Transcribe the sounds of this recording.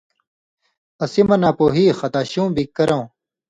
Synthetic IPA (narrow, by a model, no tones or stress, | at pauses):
ɐsimɐnaːpoːɦiːxɐt̪aːɕũːbikːɐɾõw